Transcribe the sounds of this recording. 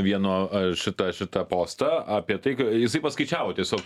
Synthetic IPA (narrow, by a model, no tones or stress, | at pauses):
ʋʲiɛnoːʃʲɪt̪ɐʃʲɪt̪ɐpoːst̪ɐɐpʲiɛt̪ɐɪkjɪsɐɪpɐskɐɪt͡ʃʲæːʋoːt̪ʲiɛsʲoːk